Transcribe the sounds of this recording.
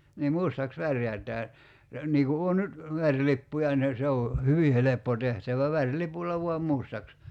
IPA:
niː mustɑks ʋærjætˑæː niː ku oː nyt ʋærʲlipːujɑ ne se o hyʋi helepːo tehtæʋæ ʋærlipulˑɑ ʋuɑm mustɑks

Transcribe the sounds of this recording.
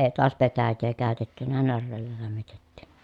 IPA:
eː toɑs petæjːeː kæˑøtetːynæ nærːeːlːæ læmːitetːi̥

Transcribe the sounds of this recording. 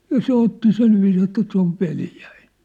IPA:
jɑ se otːi silʋiːs etːæ se oʋ ʋeljæ̥i̥n̥

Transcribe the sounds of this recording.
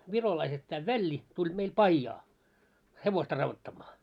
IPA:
ʋirolɑiset tæː ʋælːi tulʲ meil pɑijːɑː heʋostɑ rɑʋːotːɑmːɑː

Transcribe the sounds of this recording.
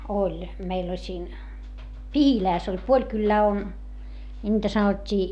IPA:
olʲ meil olʲ siːn pihilæːs olʲ puolʲ kylːæː on nʲiːtæ sɑnotʲːiː

